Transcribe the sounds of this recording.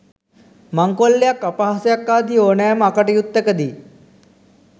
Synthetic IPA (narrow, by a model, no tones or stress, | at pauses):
maŋkolːejakːapaɦasəjakːaːd̪ioːnajməakəʈəjut̪ːəkəd̪i